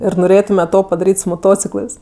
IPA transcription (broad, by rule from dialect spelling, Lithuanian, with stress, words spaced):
ɪr noːˈrʲeːtʊmʲɛ ˈtoː pɐdɐˈrʲiːtʲ sʊ moːˈtoːt͡sʲɪklˠɜs